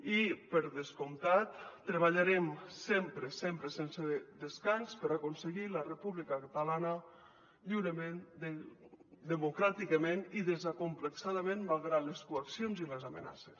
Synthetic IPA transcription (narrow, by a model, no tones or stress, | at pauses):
ipəɾðeskumt̪at̪ːɾeβ̞aʎaɾemsempɾesempɾəsensed̪eskanspəɾakonseɣilərəpuβlikəkat̪alanə | ʎiwɾəmend̪e | d̪əmukɾat̪ikəmeniðezakumpləksaðəmẽnmalˠɣɾaleskuaksionziləzamḛna̰ses